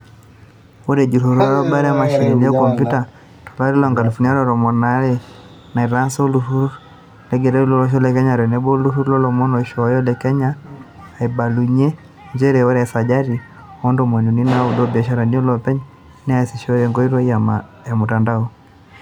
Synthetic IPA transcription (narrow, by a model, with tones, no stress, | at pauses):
ɔ˦ɾɛ˨d͡ʒi˨ɾu˨ɾɔ˦a˦ɾɔ˦ba˦ɾɛ˦a˦ma˨ʃɔ˨li˨ni˦a˦kɔ˨mpju˦ta˨ | tɔ̥˨la˦ɾɛ˦lɔ˨ŋɡa˨lu˨fu˨ni˦a˦lɔɾɔ˨mɔ˨naɾɛ˦ | na˨i˨ɾa˦nsɔ˦lu˦hu˦ | lɛ˦ɡɛ˨ɾɛ˦ɾi˦lɔ˦lɔ˦ʃ̬ɔ˦lɛ˦kɛ˦ɲa˨ɾɛ˨nɛ˦bɔ˦lu˦hu˦ɾlɔ˦lɔ˨mɔ˦nɔ˨ʃɔ˨jɔ˦lɛ˨kɛ˦ɲaː˦˨ | i˨ba˨lu˨ɲɛ˦ | ɲd͡ʒɛ˦ɾɛ˨ɔ˦ɾɛ˨sa˨d͡ʒa˦ɾi˨ | ɔ˦ndɔ˨mwɛ˨nu˨ni˦na˨u˨dɔ˦ba˨ʃa˨ɾa˨ni˦ɔ˦lɔ˨pɛ˦ɲ | nɛ˦a˨si˨ʃɔ˦ɾɛ˨ŋɡɔ˦i˦ɾɔ˦iama | ja˨mu˨ta˨ndaɔ˦